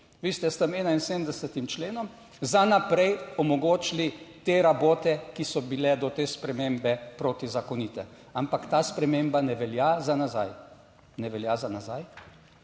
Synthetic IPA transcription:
ʋiːst̪ɛst̪əmɛːnainsedmd̪ɛsət̪imt͡ʃleːnɔm | zanapɾɛjɔmɔɡoːt͡ʃlit̪eːɾaboːt̪ɛkisɔbilɛd̪ɔt̪eːspɾɛmeːmbɛpɾoːt̪izakɔnit̪ɛ̰ | ampakt̪aːspɾɛmembanɛʋɛljazanazaj | nɛʋɛljazanazaj

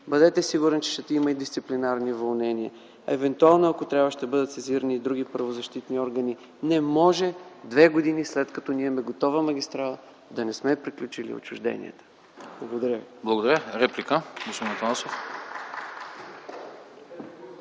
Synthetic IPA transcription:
bəd̪ɛt̪ɛsiɡuɾɛnt͡ʃɛ̥ʃɛt̪ɛiməid̪ist̪iplinaɾnivɐlˠnɛniə | ɐ̰ɛvɛnt̪ualˠnoɐkot̪ɾʲavəʃt̪ɛbɤd̪ət̪sɛziɾəniːd̪ɾuɡ̟ipɾɐvozɐʃt̪it̪niɔɾɡəni | nɛmɔʒɛd̪vɛɡod̪inislɛt̪kɐt̪ɔniɛmɛɡot̪ɔvəmɐɡʲist̪ɾalˠ | d̪ɐnɛsmɛpɾiklʲut͡ʃilḭo̰t͡ʃʊʒd̪ɛ̰nḭə̰t̪ə̥ | blˠɐɡod̪ɐɾʲjəviblˠɐɡod̪ɐɾʲəɾɛplikəɡosinɐt̪alˠsof

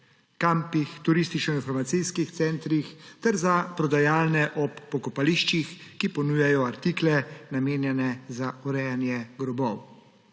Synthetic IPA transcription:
kampixt̪uɾist̪it͡ʃnɔinfɔɾmat̪sijskixt̪sɛnt̪ɾixt̪ɛɾzapɾɔd̪ajaːlnɛʔɔpːɔkɔpaliʃt͡ʃixkipɔnujajɔaɾt̪iklɛnameːnjɛnɛzaɔɾɛjanjɛɡɾɔbɔw

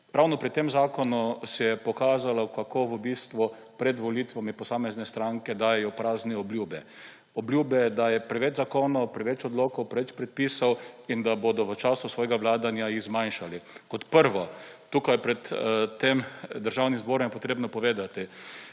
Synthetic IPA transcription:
ɾawnɔpɾit̪ːemzaːkɔnusɛjɛpɔkaːzalɔkakʰoʋəbiːst̪ʋu | pɾɛd̪ʋɔlit̪ʋamipɔsaːmɛznɛst̪ɾaŋkɛd̪aːjɛjɔpɾaːznɛɔblʲjuːbɛ | ɔbljuːbɛjɛd̪ajɛpɾɛʋɛd͡ʒzakoːnɔwpɾɛʋɛt͡ʃɔd̪loːkɔwpɾɛʋɛt͡ʃpɾɛt̪̚piːsawind̪abod̪ɔʋət͡ʃaːsʊsʋɔːjɡaʋlaːd̪anjajiɣzmajnʃalikɔt̪pəɾʋɔt̪uːkajɛpɾɛt̪t̪ːemd̪əɾʒawnimzboːɾɔmjɛpɔt̪ɾeːbnɔpɔʋeːd̪at̪i

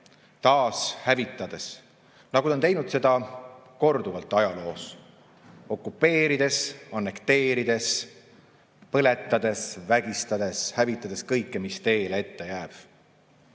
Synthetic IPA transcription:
t̪ɑːshævit̪ːˑɑd̪̥e̞s | nɑɡuont̪e̞jnud̪se̞d̪̥ɑ | ko̞rd̪̥uvɑlt̪ːˑɑjɑlo̞ːs | o̞kːˑupːˑe̞ːɾid̪e̞sɑnːe̞kt̪e̞ːɾid̪̥e̞s | pɤle̞t̪ːˑɑd̪̥e̞svæɡ̥ist̪ɑd̪̥e̞shævit̪ˑːɑd̪̥e̞skɤjkːemist̪e̞ːlee̞t̪ːe̞jæːb̥

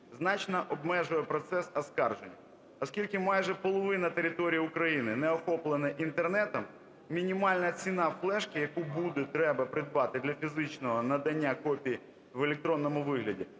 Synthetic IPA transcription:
znɑt͡ʃnɐʔɔbmɛʒʊjɛpɾɔt̪sɛsɐskɑrʒenʲːɐ | ɔskʲilʲkɪmɑjʒɛpɔlˠɔʋɪnɐt̪eɾʲɪt̪ɔɾʲijɐukɾɐjinɪnɛɔxɔplˠenɐʔint̪ernɛt̪ɐm | mʲinʲimɑlʲnɐt͡sʲinɑflˠɛʃkɪjɐkubud̪ɛt̪ɾɛbɐpɾɪd̪̚bɑt̪ɪd̪lʲɐfʲizɪt͡ʃnɔɦɔnɐd̪ɐnʲːakɔpʲiji | ʋelʲek̚t̪ɾɔnːɔmʊʋɪɦlʲɐdʲi

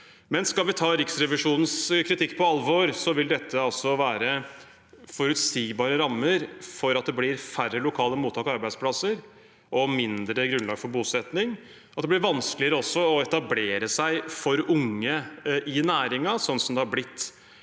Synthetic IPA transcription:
mɛnskɑlʋɪt̪ʰɑːɾɪksɾɛʋɪʂuːnən̩skʰɾɪt̪ʰɪkːpʰɔɑlʋoɾsɔʋɪld̪ɛt̪ʰːəɑlsɔʋæːɾə | fɔɾʉt̪siːbɑːɾəɾɑmːəɾfɔɾɑt̪̚d̪ɛblɪɾfærːəlʊkʰɑːləmuːt̪ʰːɑːkɑɑɾbæɪd̪spʰlɑsəɾ | ʔɔmɪnd̪ɾəɡɾʉnlɑːɡfɔɾbuːsɛt̪nɪŋ | ʔɑt̪d̪ɛb̪lɪɾʋɑnskəlɪəɾəɔsːɔɔɛt̪ɑbleːɾəsæɪfɔɾʊŋːəʔɪnæːɾɪŋɑsɔnːsɔmd̪ɛhɑɾblɪt̪ː

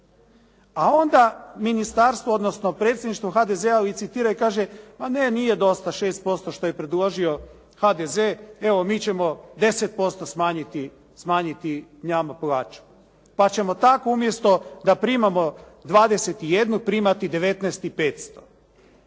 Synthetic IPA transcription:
ao̞nd̪aminist̪aɾst̪ʋood̪nosno̞pɾeːt̪sʲjed̪niʃt̪ʋoxad̪e̞zealit̪sit̪iːɾaikaːʒemaneniːje̞d̪o̞st̪aʃe̞ːst̪̚po̞st̪o̞ʃt̪o̞je̞pɾed̪lˠoʒio̞ | xad̪e̞zeeʋo̞miːt͡ɕe̞mo̞d̪e̞set̪̚po̞st̪o̞smaːɲit̪i | smaːɲit̪iɲamaplˠaːt͡ʃu̥ | pat͡ɕe̞mo̞t̪ako̞umje̞st̪o̞d̪apɾiːmamo̞ | d̪ʋaːd̪ese̞t̪ije̞d̪nupɾiːmat̪id̪e̞ʋe̞t̪nɛːst̪ipe̞ːt̪st̪o̞̥

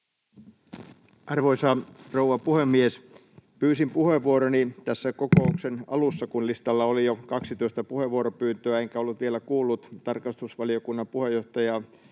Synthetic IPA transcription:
ʔɑrʋoisɑrouʋɑpuhemːies | pyːsimpuheʋːuoɾonit̪æsːækokouksenɑ̰lusːɑkunlist̪ɑlːɑolijokɑksit̪oist̪æpuhe̞ʋuoɾopyːnt̪øæeŋkæolːut̪ʋielækuːlːut̪t̪ɑrkɑst̪usʋɑliokunːɑmpuhejːoht̪ɑjɑ

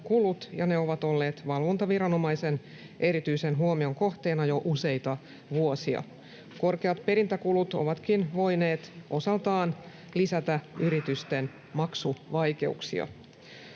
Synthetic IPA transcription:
kulut̪jɑne̞o̞ʋɑt̪o̞lːe̞ːt̪ʋɑlʋo̞nt̪ɑʋiɾɑno̞mɑjse̞n | ʔe̞ɾit̪yise̞nɦuomio̞ŋko̞ht̪e̞ːnɑjo̞ʔuse̞jt̪ɑ | ʋuosiɑ̰ | ko̞rkeɑt̪pe̞ɾint̪ækulut̪oʋɑt̪kinʋo̞ine̞ːt̪ʔo̞sɑlt̪ɑːn | lisæt̪æyɾit̪yst̪en | mɑksuʋɑjke̞̰ṵksḭɑ̰

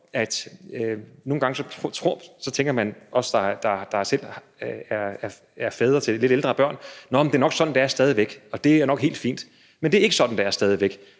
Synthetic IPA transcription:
æd̥øno̝ːn̩ɡɑ̈ŋəsɒ̽t͡sʰʁo̝ɐ̰sɒ̽t͡sʰeŋɡ̥ɐmænʔɒ̽sd̥ɑ̈d̥ɑ̈d̥ɑ̈sel̰ | æɐæɐ | æɐfɛːðˠʁɐt͡sʰe̝le̝ɾ̥eld̥ʁɐb̥ɶɐ̰nnɒmd̥e̝æɐnɒɡ̥sɒ̽d̥n̩d̥ɑ̈æɐsd̥ɛːð̞ˠiʋeɡ̥ɒ̽d̥e̝æɐnɒɡ̥he̝̰ːld̥fḭːnd̥ | mend̥eæɐe̝ɡ̥əsɒ̽d̥n̩d̥ɑ̈æɐsd̥ɛːð̞ˠiʋeɡ̥

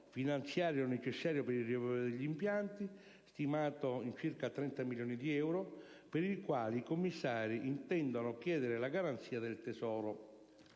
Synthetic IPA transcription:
finant̪sjaːɾjonːɛt͡ʃɛsːaːɾjopeɾirɛvɔd̪eʎːimpjant̪i | st̪imaːt̪oint͡ʃirkat̪ːɾɛnt̪amiljɔːnid̪iɛwɾo | peɾilkwaːliːkomːisːaːɾiʔint̪ɛnd̪onʊk̟jɛːd̪ɪɾɪlaɡaɾant̪siːad̪ɪlt̪ɛsɔːɾo

